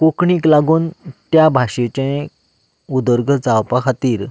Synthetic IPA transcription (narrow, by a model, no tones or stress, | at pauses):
kokɳiːklaɡuːnt̪jabʱaɕet͡ɕẽ | ud̪əɾɡʱəd͡zawpakʰat̪iːɾ